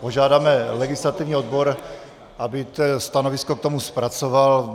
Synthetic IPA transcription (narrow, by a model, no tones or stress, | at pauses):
po̞ʒaːdaːmɛlɛɡɪslat̪ɪvɲiːod̪̚boɾ | ʔabɪt̪ɛst̪anovɪskok̚t̪o̞muspɾat͡soval